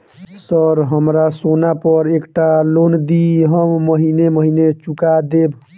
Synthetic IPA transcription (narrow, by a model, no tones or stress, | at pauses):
səɾɦəmɾasonapəɾekʈalond̪iɦəmːəɦineməɦinet͡ʃukad̪eb